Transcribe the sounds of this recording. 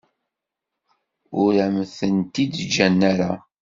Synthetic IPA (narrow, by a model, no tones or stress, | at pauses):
ʊɾæmθənt̪id̪d͡ʒænːæɾa